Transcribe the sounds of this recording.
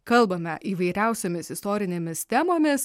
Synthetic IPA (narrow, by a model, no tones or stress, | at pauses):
kɐlˠbɐmʲɛ̰ʔiːʋɐɪɾʲæˑʊsʲoːmʲɪsɪst̪oːɾʲɪnʲeːmʲɪst̪ʲæːmoːmʲɪs